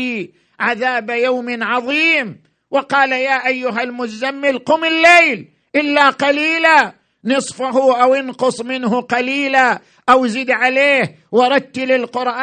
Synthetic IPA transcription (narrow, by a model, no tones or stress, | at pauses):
i | ʕaðaːbajawmɪʕɑðˤiːm | wɪqɑːlajaːʔajːʊɦalmʊzamːɪlqʊmɪlːejl | ʔɪlːaqaliːla | nɨsˤfaɦʊʔawɪnqʊsˤmɪnɦʊqɑliːla | ʔawziːd̪ʕaleːh | wɑɾˤɑd̪̚t̪ːlɪlqʊɾʔaː